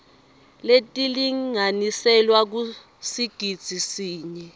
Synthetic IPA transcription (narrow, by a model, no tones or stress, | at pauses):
letʼiliŋanisɛlwak̬u | siɡ̥ʱid̥z̥ʱisiːɲɛ